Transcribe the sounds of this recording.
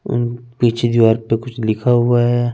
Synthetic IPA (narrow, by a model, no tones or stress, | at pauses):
ʊ̰npiːt͡ʃʰed̪ɪʋaːɾpekʊt͡ʃʰlɪkʰaɦuaɦɛ